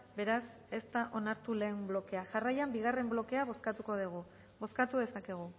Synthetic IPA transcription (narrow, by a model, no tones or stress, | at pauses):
be̞ɾas | e̞st̪aʔo̞naɾt̪ule̞ːmblo̞ke̞aʝarajambiɣare̞mblo̞ke̞aβo̞skat̪uko̞ðeɣ̞u | bo̞skat̪uð̞e̞sake̞ɣ̞u